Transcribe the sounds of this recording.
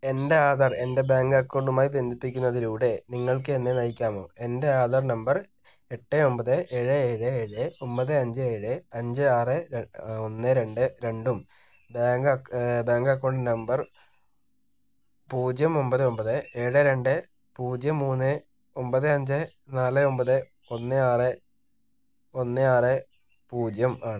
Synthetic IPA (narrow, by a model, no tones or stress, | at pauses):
e̞nde̞aːðɐre̞nde̞baːŋɡɐkːo̞ːɳɖumaːjibe̞nd̪ʱipːikʲːunːɐðiluːɽe̞niŋːɐɭkɨenːenɐjikʲːaːmo̞̰ːe̞nde̞aːðɐrnɐmbɐr | e̞ʈːɨo̞mbɐðɨʔe̞ːɻɨeːɻɨeːɻɨo̞mpɐðɨɐɲd͡ʑɨeːɻɨɐɲd͡ʑɨaːrɨonːɨɾe̞ɳɖɨɾe̞ɳɖum | baːŋɡbaːŋɡɐkːoɳɖnɐmbɐr | puːd͡ʑjɐmo̞mbɐðɨo̞mbɐðɨeːɻɨɾe̞ɳɖɨ | puːd͡ʑjɐmːuːnːɨ | o̞mbɐðɨɐɲd͡ʑɨ | naːlɨo̞mbɐðɨ | o̞nːɨaːrɨ | o̞nːɨaːrɨ | puːd͡ʑjɐmaːɳɨ